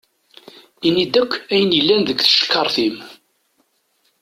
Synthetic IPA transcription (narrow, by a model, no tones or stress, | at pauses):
inːid̪ækʷːæjənjəlːænðəkʷθə̥ʃə̥kːɑɾˤθim